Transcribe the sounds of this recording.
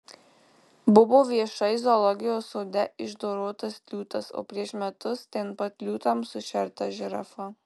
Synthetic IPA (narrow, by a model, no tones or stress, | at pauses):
bʊʋoːʋʲiɛʃɐɪzolˠɔɡʲɪjoːsoːd̪ʲɛɪʒd̪oːɾoːt̪ɐsk̪lʲuːt̪ɐso̰ːpʲɾʲiɛʃmʲɛt̪ʊst̪ʲɛnpɐt̪̚ʲlʲuːt̪ɐmsʊʃʲɛɾt̪ɐʒʲɪɾɐ̰fɐ